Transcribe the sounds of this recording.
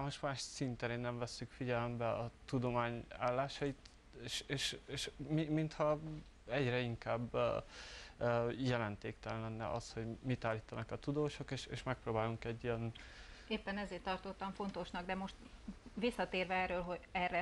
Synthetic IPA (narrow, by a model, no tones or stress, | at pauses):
saːmo̞ʃmaːʃsint̪ɛɾeːnːɛɱvɛsːykfiɟɛlɛmbɛɒt̪ud̪o̞maːɲa̰ːlːaːʃɒit̪ | eːʃeːʃeːʃmimint̪hɒ | ɛɟrɛiŋkaːb | jɛlɛnt̪eːkt̪ɛlnlɛnːɛ̰ʔɒst̪ho̞ɟmit̪aːlːiːt̪ɒnɒkɒt̪ud̪oːʃo̞keːʃḛːʃmɛk̚proːbaːluŋkɛɟːijɛneːpːɛnɛzeːrt̪ːɒrt̪o̞t̪ːɒɱfo̞nt̪o̞ʃnɒɡd̪ɛmo̞ʃt̪ʋisːɒt̪eːrvɛɛrøːlɦo̞ɟɛrːɛ